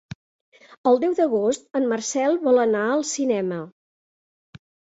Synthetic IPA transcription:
əlˠd̪ɛwd̪əɣost̪əmːərsɛlˠβɔlˠənaəlˠsinɛmə

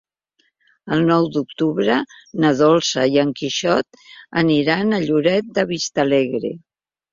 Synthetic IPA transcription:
əlˠnɔwd̪uk̚t̪uβɾənəðɔlˠsəjəŋkiʃɔt̪̚ | əniɾanəʎuɾɛt̪̚d̪əβist̪əlɛɣɾḛ

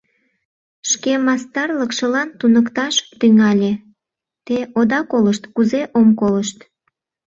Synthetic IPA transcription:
ʃkemɑst̪ɑrləkʃəlɑnt̪unəkt̪ɑʃt̪yŋɑlʲe | t̪eʔod̪ɑkoləʃt̪kuzeʔomkoləʃt̪

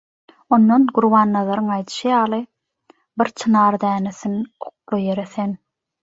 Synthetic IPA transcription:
o̞nːonɡuɾβɑːnːɑðɑɾɯŋɑjd̪ɯ̥ʃɯjɑːlˠɯ | biɾt͡ʃʰɯnɑːɾd̪æːneθinoq̚lˠuje̞ɾeθe̞n

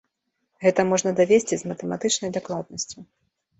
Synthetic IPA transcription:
ɣɛt̪ɐmɔʐnɐd̪avʲesʲt͡sʲizmɐt̪ɛmat̪ɨt͡ʂnɐjd̪aklˠad̪̚nɐsʲt͡sʲu

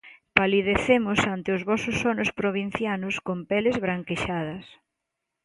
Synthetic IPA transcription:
paliðeθemʊsant̪ɪʊzβɔsʊsːɔnʊspɾoβ̞in̟θjanʊskompɛlezβɾaŋkeʃað̞ɐs

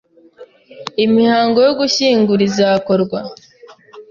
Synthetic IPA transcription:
imihaːŋɡo̞joɡuçiːŋɡuɾizakoɾɡwa

